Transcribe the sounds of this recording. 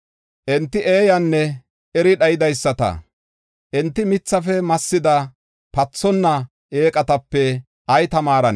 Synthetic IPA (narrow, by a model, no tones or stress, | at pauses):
ʔɛnt̪ːɪʔeːjɐnːɛ | ʔɛɾɪɗɐjɪd̪ɐjsːɐt̪ɐ̰ | ʔɛnt̪ːɪmɪt͡sːɐfɛmɐsːɪd̪ɐ | pɐt͡sːɔnːɐ | eːkʼɐt̪ɐpːɛ | ɐjt̪ɐmaːɾɐn